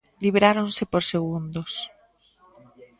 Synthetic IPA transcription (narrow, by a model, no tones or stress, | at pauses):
liβɾaɾonsepoɾseɣ̞und̪os